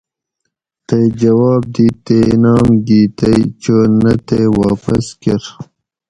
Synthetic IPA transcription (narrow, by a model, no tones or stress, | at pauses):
t̪ejd͡ʑɐwɑːb̚d̪it̪enɑːmɡit̪ɐjt͡ʃənɐt̪ewɑːpɐskeɾ